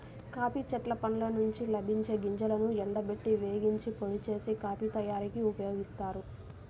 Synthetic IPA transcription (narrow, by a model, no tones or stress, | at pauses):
kaːpit͡ʃɐʈlɐpɐnlɐnuɲt͡ʃilɐbʱiɲt͡ʃe̞ːɡiɲd͡ʒɐlɐnuɛɳɖɐbeʈːiʋe̞ːɡiɲt͡ʃipoɭit͡ʃe̞ːsikaːpit̪ɐjaːɾikiupɐjo̞ːɡist̪aːɾu